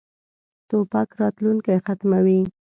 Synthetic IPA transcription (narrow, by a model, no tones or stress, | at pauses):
t̪opakɾɑt̪luŋkajxat̪mawi